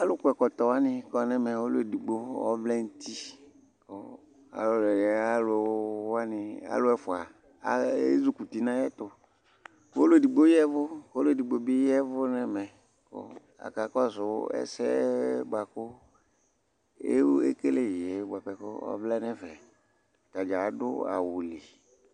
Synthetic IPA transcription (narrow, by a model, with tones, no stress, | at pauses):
a˦lo˦kʊ˨ɛ˨kɔ˨t̪ɔ˨wa˦nɪ̃˦kɔ˦nɛ˦mɛ˨wo˦lo˦e˨di˨ɡ͡bo˦wɔ̰˦vlɛ˦n̩˦t̪i˦ | ko˦ | a̰˨lo˦lɛ˨jɛ˨a˦lʊ˨wwa˦nɪ̃˨a̰˦lo˦ɛ˦fo˨a˨ | ḛ˦zu˦ku˨t̪i˨nã˦jɛ˦t̪o˨ | wo˦le˨di˨ɡ͡bo˦jɛ˦vʊ˦ko˦lo˦˨di˨ɡ͡bo˨bi˦jɛ˦vʊ˦nɛ˨mɛ˨ | ko̰˦ | a̰˨ka˨kɔ˦sʊ˨wɛ̰˦sɛ̰˦ba˨kʊ˦ | e˦e˦ke˦le˦je˨˦ba˨pɛ˨ko̰˦ɔ̰˦vlɛ˦nɛ̃˦vɛ˨ | t̪a˨d͡ʒa˨˦dʊ̰˦a̰˨wu˨li˨